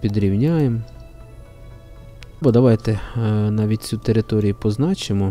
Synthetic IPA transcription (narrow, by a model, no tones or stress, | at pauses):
pʲid̪ɾʲiwnʲajem | bɔd̪ɐʋɑjt̪enɑʋʲit̚ʲt͡sʲut̪eɾɪt̪ɔɾʲijʊpɔznɑt͡ʃɪmɔ